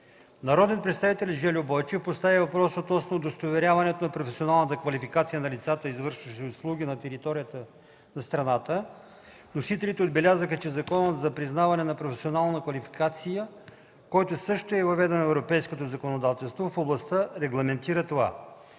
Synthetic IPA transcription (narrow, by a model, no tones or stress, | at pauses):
nɐɾɔd̪ɛənpɾɛt̪st̪avit̪ɛlʲʒɛlʲobɔjt͡ʃɛfpost̪avivɐpɾɔsot̪nɔsnod̪ost̪ovɛɾʲavɐnɛt̪onɐpɾofɛsionalˠnət̪əkvɐlifikat̪sijənɐlʲit̪sat̪əizvɤɾʃvəʃɛoslˠuɡ̟ʲinɐt̪ɛɾit̪ɔɾijət̪ə | nɐst̪ɾɐnat̪ə | nosit̪ɛlʲit̪ɛod̪bɛlʲazəxət͡ʃɛzɐkɔnət̪zɐpɾiznavɐnɛnɐpɾofɛsionalˠnəkvɐlifi̥kat̪sijə | kɔjt̪ʊsɤʃt̪oɛvɐvɛd̪ɛnoɛvɾopɛjskot̪ozɐkonod̪at̪ɛlˠst̪vofoblˠɐst̪əɾɛɡlˠɐmɛnt̪iɾət̪ova̰